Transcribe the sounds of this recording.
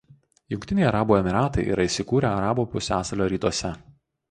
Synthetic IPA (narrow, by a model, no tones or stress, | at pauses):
jʊŋʲkʲt̪ʲɪnʲɛɪɐɾɑːbuːɛmʲɪɾɑːt̪ɐɪʔḭːɾʔɐɪsʲɪkuːɾʲɛɐɾɑːbuːpʊsʲæːsɐlʲoːɾʲiːt̪uɔsʲɛ